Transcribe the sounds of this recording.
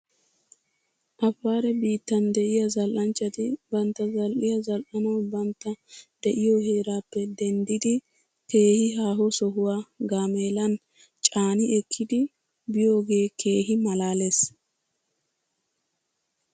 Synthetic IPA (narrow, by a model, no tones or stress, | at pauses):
ʔɐfːaːɾɛbiːt̪ːɐnd̪ɛʔɪjɐzɐlʔɐnt͡ʃːɐt̪ɪbɐnt̪ːɐzɐlʔɪjɐzɐlʔɐnɔwbɐnt̪ːɐd̪ɛʔɪjohe̞ːɾaːpːɛd̪ɛnd̪ɪd̪ɪ | ke̞ːhɪɦaːɦɔsɔɦʊwaːɡaːmeːlɐn | t͡ʃʼaːnɪɛkʰːɪd̪ɪ | bɪjo̞ːɡe̞ːkʰe̞ːɦɪmɐlaːleːs